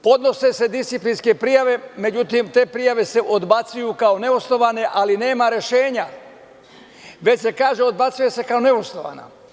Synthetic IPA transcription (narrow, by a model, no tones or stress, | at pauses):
po̞d̪no̞se̞se̞d̪ist̪iplinske̞pɾijaʋe̞me̞d͡ʑut̪imt̪e̞ːpɾijaʋe̞se̞ʔod̪bat̪sujukaone̞usno̞ʋane̞ʔaline̞ːmaɾe̞ʃe̞ːɲa | ʋe̞t͡ɕse̞kaːʒeo̞d̪bat̪sujese̞kao̞ne̞usnoʋa̰na̰